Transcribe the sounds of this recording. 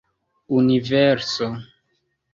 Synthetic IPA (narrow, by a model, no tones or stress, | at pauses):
univɛɾso